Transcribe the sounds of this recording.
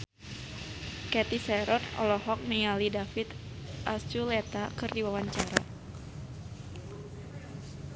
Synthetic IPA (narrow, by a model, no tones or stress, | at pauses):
kɛt̪isɛɾɔnɔ̰lɔɦɔk̚nijalidafit̪ | ʔast͡ʃulɛt̪akɨrdiwawaɲt͡ʃaɾa